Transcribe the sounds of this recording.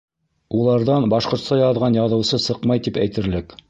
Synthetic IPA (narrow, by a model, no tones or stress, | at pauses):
ulˠɑɾðɑnbɑʃqŏɾt̪sɑjɑðʁɑnjɑðɤ̆wsɤsɤqmɑjt̪ipæjt̪ɘ̆ɾlɘk